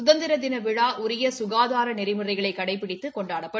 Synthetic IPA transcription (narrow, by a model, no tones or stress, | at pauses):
ʊðɐnd̪ɪɾɐd̪ɪnɐʋɪɻaːʔʊɾɪjɐsʊɣaːðaːɾɐnɛɾɪmɯrɐɪɣɐɭɐɪkːɐɽɐɪpːɪɽɪt̪ːɯkɔɳɖaːɽɐpːɐ